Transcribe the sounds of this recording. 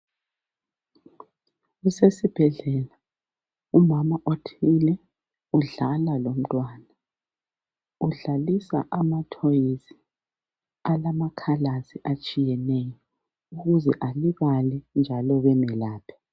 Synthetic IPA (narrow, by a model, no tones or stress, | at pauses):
usesib̥ʱɛɮɛla | umamaʔotʰilɛ | uɮalalom̩tʼwaːna | uɮalisa̰ʔamatʰojizi̥ | alamakʰalaziʔat͡ʃʼijɛnɛjɔ | uɣuzɛʔaliβalɛnd͡ʒʱalɔβɛmɛlaːpʰɛ̥